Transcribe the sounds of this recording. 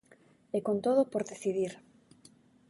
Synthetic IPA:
ekont̪oðopoɾðeθiðiɾ

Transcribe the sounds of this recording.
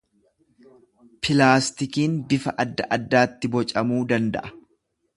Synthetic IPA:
pʰɪlaːst̪ɪkiːnb̪ɪfɐʔɐd̪ːɐʔɐd̪ːaːt̪ːɪbɔt͡ʃʼɐmuːd̪ɐnd̪ɐ̰ʔɐ̥

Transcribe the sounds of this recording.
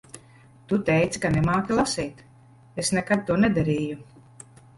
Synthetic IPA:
t̪ut̪ɛjt̪sʲi̥kanɛmaːkʲilˠasiːt̪ | esnɛkad̪̚t̪uɔnɛd̪aɾiːju

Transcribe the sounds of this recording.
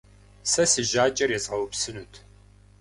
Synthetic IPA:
sɐsɨʒaːt͡ʃʼɐrjɛzʁɐwpsɨnutʰ

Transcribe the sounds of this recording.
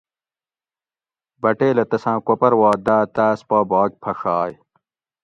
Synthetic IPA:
bɐʈeːlɐt̪ɐsãːkopɐɾwaːd̪aːt̪aːspɐbaːk̚pʰɐxaːj

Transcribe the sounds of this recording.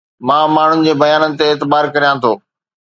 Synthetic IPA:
mãːmaːɳ̤ʊnɪ̆d͡ʑeːbɐjaːnənɪ̆t̪eːt̪ɪbaːɾkɐɾijãt̪ʰoː

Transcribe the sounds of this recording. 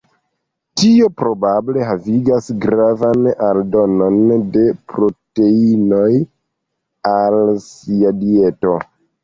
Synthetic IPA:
tio̞pɾo̞bable̞ɦaviɡasɡɾavanaldo̞no̞nde̞pɾo̞teino̞j | alsiadie̞to̞

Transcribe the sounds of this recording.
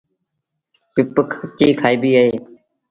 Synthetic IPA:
pɪpəkʰt͡ʃiːkʰaːiːbiːɦaːɦeː

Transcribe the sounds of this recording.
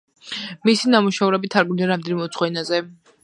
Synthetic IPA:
misinamuʃauɾɛbit̪ʰaɾɡniaɾamd̪ɛnimɛut̪sʰχwɛnazɛ

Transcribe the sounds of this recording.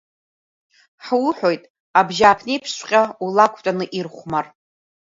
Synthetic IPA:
ħwʊħʷo̞jtʼ | abʒaːpʰnejpʰʂʷqʲʼaulakʷʼʰtʼanɨʔirχʷmar

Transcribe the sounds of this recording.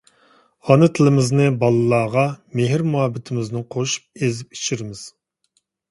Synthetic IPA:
ɑnɨt̪ʰɪlɪmɪznɨbɑlˠɨlˠɑːʁɑmeɦɪɾmuɦɑbːɪt̪ʰɪmɪznɪqʰoʃu̥p̚ezɪp̚i̥t͡ʃʰiɾɪmɪz̥

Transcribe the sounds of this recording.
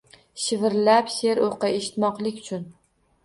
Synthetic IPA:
ʃɪvɪɾlapse̞ɾoqɨeʃɪ̥t̪mɒqlˠɪkʲʊt͡ʃʰʊn

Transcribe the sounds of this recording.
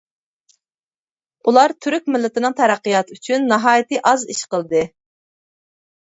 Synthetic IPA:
ulˠɑɾt̪ʰyɾyk̚ʲmɪlːɪt̪ɪnɨŋt̪ʰæɾæqːɨjɑt̪ʰyt͡ʃʰynːɑɦɑːjɪt̪ɨʔɑziʃqəlˠd̪ɨ

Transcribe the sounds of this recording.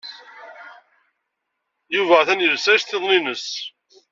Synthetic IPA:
juvæθænjəɾsæʃθeðˤninəs

